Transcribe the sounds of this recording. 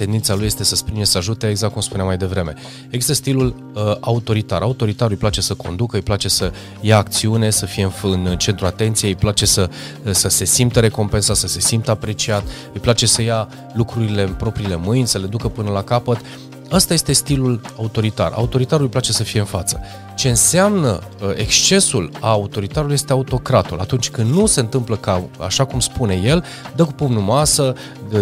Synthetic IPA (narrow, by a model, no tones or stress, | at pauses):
t̪e̞nd̪int̪saluje̞st̪e̞səspɾinesəaʒut̪eeɡzak̪̚kumspuneamːajd̪e̞vɾe̞me̞̰ | eɡzist̪əst̪ilul | əaut̪o̞ɾit̪aɾʔaut̪o̞ɾit̪aɾujplat͡ʃe̞səko̞̰nd̪ukəɨjplat͡ʃe̞sə | jaːk̚t̪siune̞səfije̞ɨnfɨnt͡ʃe̞nt̪ɾuat̪e̞nt̪sijeɨjplat͡ʃe̞səsəse̞simt̪əɾe̞ko̞mpe̞nsat̪səse̞simt̪əapɾe̞t͡ʃiat̪ | ɨjplat͡ʃe̞səja | lukɾuɾile̞pɾo̞pɾile̞mɨjnʲsəle̞d̪ukəpɨnəlakapət̪ | əst̪aje̞st̪e̞st̪ilulaut̪o̞ɾit̪a̰ra̰ut̪o̞ɾit̪aɾulɨjplat͡ʃe̞səfije̞ɨnfat̪sə̥ | t͡ʃe̞ɨnseamnə̰ | ʔe̞kst͡ʃe̞sulaut̪o̞ɾit̪aɾuluje̞st̪eaut̪o̞kɾat̪ula̰t̪unt͡ʃʲkɨnd̪nuse̞ɨnt̪ɨmpləkaa̰ʃakumspune̞je̞l | d̪əkupomnumasə